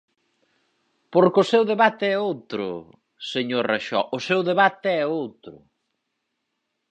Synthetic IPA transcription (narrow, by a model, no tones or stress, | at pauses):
poɾkʊsewðeβat̪ɪɛowt̪ɾʊ̰ | seɲoɾraʃɔ̰ʔʊsewðeβat̪ɪɛowt̪ɾʊ̰